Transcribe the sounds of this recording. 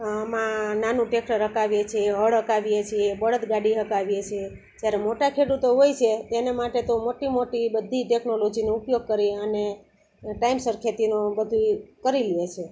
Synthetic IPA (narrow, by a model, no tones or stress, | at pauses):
mãnanũʈekʰɾəɾɦəkaʋjet͡ʃʰeəɭɦəkaʋijet͡ʃʰiebəɭət̪ɡaɽiɦəkaʋijet͡ʃʰie | d͡ʒjaɾemoʈakʰeɽut̪oɦojt͡ʃʰet̪enemaʈet̪omoʈimoʈibəd̪ʱːiʈeknolod͡ʒinoupjoɡ̚kəɾiəne | ʈaimsəɾkʰet̪inobəd̪ʱukəɾiliet͡ʃʰe